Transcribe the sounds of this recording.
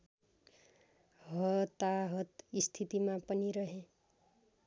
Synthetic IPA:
ɦʌt̪aɦʌt̪ist̪ʰit̪imapʌniɾʌɦe

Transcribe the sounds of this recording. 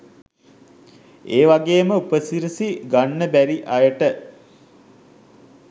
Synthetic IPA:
eːʋaɡeːməupəsiɾisiɡanːəbæɾiʔajəʈə

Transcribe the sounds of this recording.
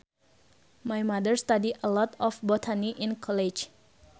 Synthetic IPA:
majmadəɹst̪adiəlɔt̪ɔfbɔt̪ʰaniʔĩnkʰɔlid͡ʒ

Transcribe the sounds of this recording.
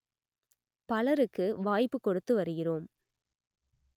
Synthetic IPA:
pɐlɐɾɯkːɯʋaːjpːɯkːɔɽɯt̪ːɯʋɐɾɯɣɪroːm

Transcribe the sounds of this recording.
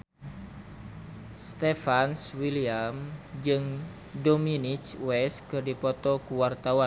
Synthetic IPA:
st̪ɛfanswiliamd͡ʒɨŋ | dɔminit͡ʃwɛskɨrdipɔt̪ɔkuwart̪awan

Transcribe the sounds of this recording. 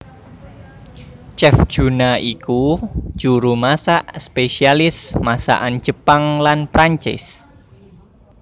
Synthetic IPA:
t͡ʃɛfʒ̥unaʔiku̥d͡ʒ̥uɾumasaʔspesialɪsmasa̰ʔan̥d͡ʒ̥ə̤paŋlanpɾaɲt͡ʃɪ̰s

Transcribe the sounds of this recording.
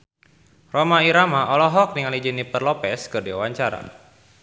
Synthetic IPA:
romaiɾamaʔɔlɔɦɔk̚niŋalid͡ʒinipərlɔpɛskɨrdiwawaɲt͡ʃaɾa̰

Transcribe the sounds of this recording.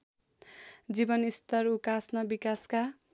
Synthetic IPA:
d͡zibʌnist̪ʌrukasnʌbikaska

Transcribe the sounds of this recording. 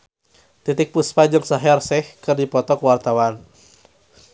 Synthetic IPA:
t̪it̪ɪk̚puspad͡ʒəŋsaɦarsɛhkɨrdipɔt̪ɔkwart̪awan

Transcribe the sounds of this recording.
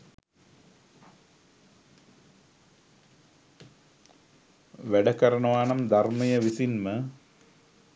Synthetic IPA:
ʋeɖɐkɐɾɐɳɐʋaːɳɐmd̪ʱɐrmɐjɐʋisinmɨ

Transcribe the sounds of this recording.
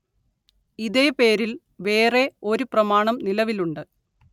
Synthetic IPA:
iðe̞ːpe̞ːɾil | ʋe̞ːre̞o̞ɾuprɐmaːɳɐmnilɐʋiluɳɖɨ

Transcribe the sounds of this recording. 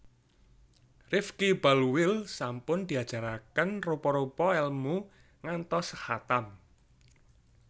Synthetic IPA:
rɪfkibalwɪlsampʊnd̪̥i̤ad̥d͡ʒ̥a̤ɾakənropɔɾopɔɛlmu | ŋant̪ɔsəhat̪am

